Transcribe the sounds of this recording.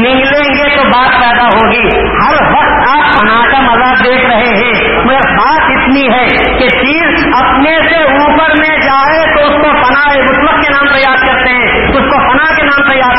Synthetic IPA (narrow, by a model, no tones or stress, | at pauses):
nɪ̃ŋɡlẽɡet̪obaːt̪pɛːd̪aɦoːɡiː | hɐɾwɐktt̪a | pɐnaːʈəmɐzaːd̪eːkʰɾɐɦeɦɛ̃ː | m | baːt̪ɪt̪niɦɛː | ket͡ʃiːz | ɐpnese | uːpəɾmẽd͡ʒaːet̪oʊskopɐnaebʊʃwəkkenãːmt̪ɐjaːd̪kɐɾt̪eɦɛ̃ː | ʊskopɐnakenãːmt̪ɐjaːd̪